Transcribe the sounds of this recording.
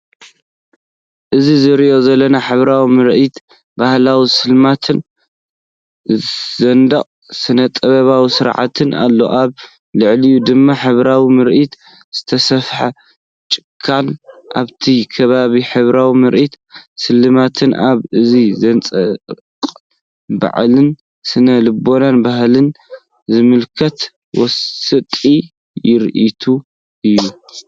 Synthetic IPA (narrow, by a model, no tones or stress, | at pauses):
ʔɨzizɨɾiʔo̞zɐlːɐnaħɨβɾawimɨɾʔit̪ | bahlawisɨlmat̪ʰɨn | zɐnd̪ɐχʼ | sɨnɐt̪ʼɐβɐβawisɨɾʕa̰t̪ʰɨnʔa̰lːo̞̰ʔaβ | lɨʕlijud̪ɨmːaħɨβɾawimɨɾʔit̪ | z̥ɨt̪ʰɐsɐfħa | t͡ʃʼɪ̥kʰːanʔa̰βt̪ʰikʰɐβaβiħɨβɾawimɨɾʔit̪ | sɨlːɨmat̪ʰɨnʔaβɨzizɐnt͡sʼɐ | qʼ | ba̰ʕlɨn | sɨnɐlɨbo̞nanbahlɨn | zɨmɨlkʰɐt̪ | wɔsɨt̪ʼi | jɪɾʔit̪ʰu | ʔɨjːu